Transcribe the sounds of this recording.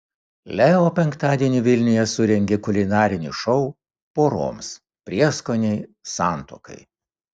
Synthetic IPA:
lʲɛoːpʲɛŋkt̪ɑːd̪ʲiɛnʲiʋʲɪlʲnʲʊjɛsʊɾʲɛŋʲɡʲɛkʊlʲɪnɑːɾʲɪnʲḭʃɔʊ | poːɾo̰ːms | pʲɾʲiɛskoːnʲɛɪsɑːˑnt̪o̰ːkɐ̰ɪ

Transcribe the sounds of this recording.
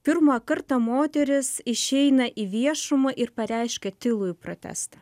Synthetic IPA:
pʲɪɾmɐkɐɾt̪ɐmoːt̪ʲɛɾʲɪsɪʃʲɛɪnɐʔiʋʲiɛʃʊmɐʔɪɾpɐɾʲɛɪʃʲkʲɛt̪ʲɪlˠʊjʊpɾoːt̪ʲæ̰st̪ɑ

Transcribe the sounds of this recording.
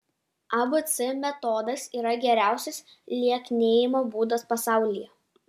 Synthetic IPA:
ɐbʊt̪sʲɪmʲɛt̪ɔːd̪ɐsiːɾɐɡʲɛɾʲæˑʊsʲɛs | lʲiɛknʲeːjɪmoːbuːd̪ɐspɐsɑˑʊlʲɪjɛ

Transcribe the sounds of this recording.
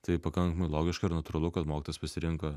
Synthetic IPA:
t̪ɐɪpɐkɐŋkɐmɐɪlˠoːɡʲɪʃkɐɪɾnɐt̪ʊɾɐlˠʊkɐt̪moːkʲɪt̪oːjʲɛspɐsʲɪɾʲɪŋkɐ

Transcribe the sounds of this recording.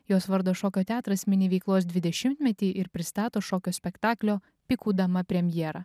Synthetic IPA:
joːsʋɐɾd̪oːʃoːkʲoːt̪ʲæːt̪ɾɐsʲmʲɪnʲɪʋʲɛɪklˠoːsd̪ʲʋʲɪd̪ʲɛʃʲɪmʲt̪ʲmʲɛt̪ʲiːʔɪɾpʲɾʲɪst̪ɑːt̪oːʃoːkʲoːsʲpʲɛkt̪ɑːklʲoː | pʲɪkuːd̪ɐmɐpʲɾʲɛmʲjɛɾɐ

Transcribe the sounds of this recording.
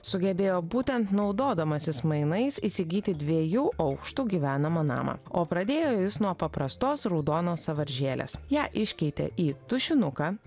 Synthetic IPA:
sʊɡʲɛbʲeːjoːbuːt̪ʲɛnt̪nɒʊd̪oːd̪ɐmɐsʲɪsmɐɪnɐɪsiːsʲɪɡʲiːt̪ʲɪd̪ʲʋʲiɛjuːʔɐʊkʃt̪uːɡʲiʋʲæːnɐmɐnɑ̰ːmɐ̰oːpɾɐd̪ʲeːjoːjɪsnuɔpɐpɾɐst̪oːsɾɔʊd̪oːnoːsɐʋɐɾʲʒʲeːlʲḛsjæːʔɪʃʲkʲɛɪt̪ʲɛ̰ʔiːt̪ʊʃʲɪnʊkɑː

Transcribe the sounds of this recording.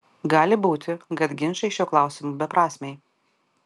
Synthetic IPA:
ɡɑːlʲɪbuːt̪ʲɪkɐt̪ɡʲɪnʃɐɪʃʲuɔklˠɑˑʊsʲɪmuːbʲɛpɾɑːsʲmʲɛɪ

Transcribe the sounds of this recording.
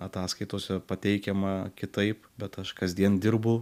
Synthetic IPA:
ɐt̪ɑːskɐɪt̪oːsʲɛpɐt̪ʲɛɪkʲɛmɐkʲɪt̪ɐɪpbʲɛt̪ɐʃkɐzʲd̪ʲiɛnd̪ʲɪrbʊ

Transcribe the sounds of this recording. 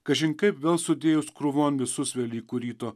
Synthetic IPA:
kɐʒʲɪŋkɐɪpʋʲeːlˠsʊd̪ʲeːjʊskɾʊʋoːnʋʲɪsʊsʋʲeːlʲiːkʊɾʲiːt̪oː

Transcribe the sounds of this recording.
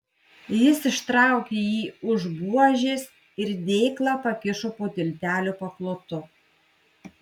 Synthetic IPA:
jɪsɪʃt̪ɾɑˑʊkʲeːjiːʊʒbuɔʒʲes | ɪɾd̪ʲeɪklˠɑːpɐkʲɪʃopoːt̪ʲɪlʲt̪ʲæːlʲuːpɐklˠoːt̪ʊ

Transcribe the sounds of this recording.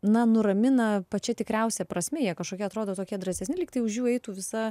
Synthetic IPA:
nɐnʊɾɐmʲɪnɐpɐt͡ʃʲɛt̪ʲɪkɾʲɛʊsʲɛpɾɐsʲmʲɛːjiɛkɐʃkoːkʲɛɐt̪ɾoːd̪oːt̪oːkʲiɛd̪ɾɐsʲɛsʲnʲɪlʲɪːkt̪ɐɪʊʒʲjuːɛɪt̪uːʋʲɪsɐ

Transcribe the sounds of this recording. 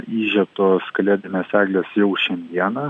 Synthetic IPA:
iːʒʲɛp̚t̪oːskɐlʲeːd̪ʲɪnʲeːsæːɡlʲeːsjɛʊʃʲɛnʲd̪ʲiɛnɐ

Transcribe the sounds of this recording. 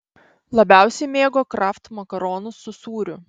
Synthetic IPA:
lˠɐbʲæˑʊsʲɛɪmʲeːɡoːkɾɑft̪mɐkɐɾɔːnʊsːʊsuːɾʲʊ

